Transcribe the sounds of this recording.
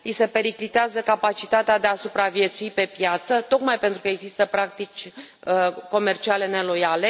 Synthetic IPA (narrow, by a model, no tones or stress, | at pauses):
ise̞pe̞ɾiklit̪eazəkapat͡ʃit̪at̪ead̪e̞asupɾavje̞t̪suipe̞pjat̪sət̪o̞kmajpe̞nt̪ɾukəeɡzist̪əpɾak̚t̪it͡ʃʲəko̞me̞rt͡ʃiale̞ne̞lo̞jale̞